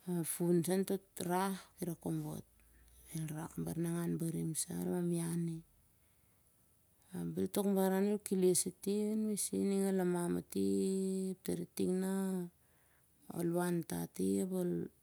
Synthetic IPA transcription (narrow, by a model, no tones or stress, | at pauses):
afunsantotɾahkiɾakombo̰t̚ | elɾakmbaɾnaŋanbaɾimsa̰lmamiani | abiltokmbaɾanolkilesitianmisḭniŋalamama̰tip̚taɾitiŋna | o̰lβanta̰tiapol